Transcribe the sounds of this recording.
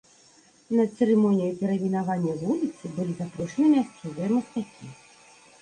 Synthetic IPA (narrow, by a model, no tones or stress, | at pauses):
nɐsɛɾɨmɔnʲijɐpʲɛɾɐmʲinavanʲːɐvulʲit̪sɨbɨlʲizapɾɔʂɨnɨmʲast̪uzʲɛmɨxt̪akʲi